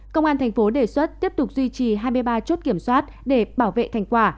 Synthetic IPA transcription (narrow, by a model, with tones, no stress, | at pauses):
kə˧wʔaː˧t̪ʰjŋ̟fo˨˦ɗe˧˩swə˦˥t̚t̪i˦˥əp̚t̪ʊ˨˩k͡p̚zwi˧t͡ɕi˨˩ɦaː˧jmɨ˧əjɓaː˧t͡ɕu˦˥t̚ki˧˩əmswaː˦˥t̚ɗe˧˩ɓaː˧˩wvḛ˧˨t̪ʰa˧˩jŋ̟kwaː˧˩